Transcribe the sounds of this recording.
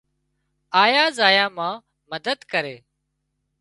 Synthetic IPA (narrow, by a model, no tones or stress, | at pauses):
aːjaːzaːjaːmãː | məd̪əd̪kəɾeː